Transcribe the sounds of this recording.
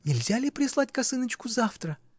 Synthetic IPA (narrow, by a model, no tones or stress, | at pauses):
nʲɪlʲzʲalʲɪpɾʲɪslˠatʲkɐsɨnət͡ɕkʊzaft̪ɾə